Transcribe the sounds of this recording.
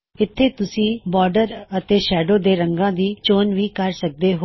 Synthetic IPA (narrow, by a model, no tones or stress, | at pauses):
ɪt̪ʰːeːt̪ʊsĩːbɔːɾɖəɾət̪eːʃɛːɖoːd̪eːɾə̃ŋɡãːd̪iːt͡ʃoːnʋiːkəɾsək̚d̪eːɦo